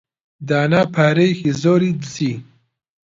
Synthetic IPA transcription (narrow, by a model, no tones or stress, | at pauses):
d̪aːnaːpʰaːɾejxizoːɾid̪zi